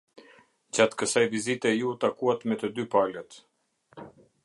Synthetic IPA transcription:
d͡ʑat̪kəsajvizit̪ɛjut̪akuat̪mɛt̪əd̪ypalɛt̪

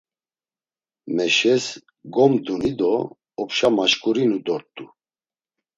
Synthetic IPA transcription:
mɛʃɛs | ɡɔmd̪unid̪ɔː | pʃamaʃkʼuɾinud̪ɔɾt̪ʼu

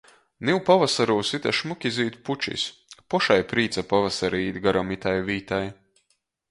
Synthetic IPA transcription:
niwpavasaɾuːsit̪ʲɛʃmukʲiziːt̪put͡ʃḭspɔʃajpɾiːt̪sapavasaɾiːd̪ɡaɾɔmit̪ajviːt̪aj

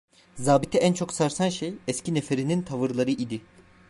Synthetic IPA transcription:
zaːbit̪ʰɛʔænt͡ʃʰo̞ksaɾsanʃejɛscʰinefeɾinint̪ʰavɯɾlˠaɾɯʔid̪ɪ

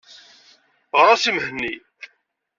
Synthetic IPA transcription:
ʁɾˤɑsimhənːi

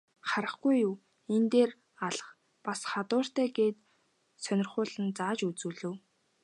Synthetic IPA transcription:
χaɾə̆χɡujːuw | ent̪eːr | aɮə̆χ | pasχat̪ʊːr̥t̪æːɡeːt̪ | sœnʲɪ̆rχʊːɮə̆nt͡saːt͡ɕut͡suːɮɵ̆w

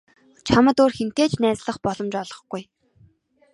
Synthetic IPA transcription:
t͡ɕʰamə̆t̪oːrxen̥t̪eːt͡ɕnæːt͡sɮə̆χpɔɮɞ̆mt͡ɕɔɮɞ̆χɡ̥uj

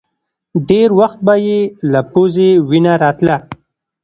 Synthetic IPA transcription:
ɖeɾwaxt̪̚bajelapozewinaɾɑt̪la

